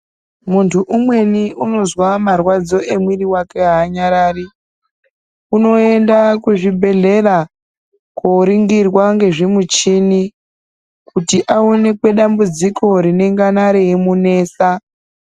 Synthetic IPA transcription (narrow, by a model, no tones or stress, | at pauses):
muntʰuʔumwe̞niuno̞zwamarwad͡zo̞ʔe̞mwiriwake̞ɦaːɲaɾaːri | uno̞e̞ndakuʐibʱe̞ɮe̞ra | koɾiŋɡirwaŋɡe̞ʐimut͡ʃini | kutiʔaone̞kwe̞ɗambud͡zikʰo̞ɾine̞ŋɡanaɾeemune̞ːsa